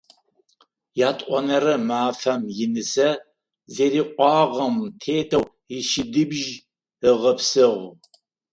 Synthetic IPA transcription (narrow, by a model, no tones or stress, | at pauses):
jaːtʼʔʷɔnɐɾɐmaːfɐmjɪnɨsɐ | zeːɾiːqʷɑːʁɐmtʰeːtʰɐw | ɪʃɪdɨbʒ | ɨʁɐpsɨʁ